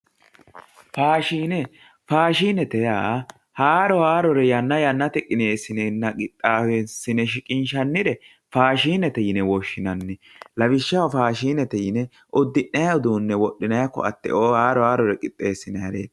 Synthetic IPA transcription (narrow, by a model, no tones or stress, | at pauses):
faːʃiːnɛ | faːʃiːnɛt̪ɛjaː | haːɾɔhaːɾɔɾɛjɐnːɐjɐnːɐt̪ɛkʼɪneːsɪnɛnːɐkʼɪt̪ʼːaːwesːɪnɛʃɪkʼɪnʃɐnːɪd̪ɛ | faːʃiːnɛt̪ɛjɪnɛwɔʃːɪnɐnːɛ | lɐbɪʃːɐɔfaːʃiːnɛt̪ɛjɪnɛ | ʔɔd̪ːɪʔːɐjɐʊd̪uːnːɛwɔɗːɪnɐjɐkːɔ̰ɐ̰t̪ːɛ̰ʔoːhaːɾɔhaːɾɔɾɛkʼɪt̪ʼːe̞ːsːɪnɐhɐɾḛːd̪